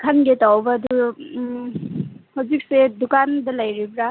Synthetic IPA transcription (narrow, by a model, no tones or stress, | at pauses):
kʰanɡetawbadu | hɔzik̚sedukandɐlajɾibɾa